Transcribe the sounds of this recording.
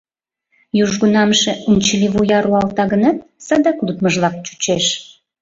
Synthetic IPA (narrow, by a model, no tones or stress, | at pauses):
juʒɣunɑmʃeunʲt͡ɕəliβujɑɾuɑlt̪ɑɣənɑt̪̚sɑd̪ɑklut̪məʒlɑk̚t͡ɕu̥t͡ɕeʃ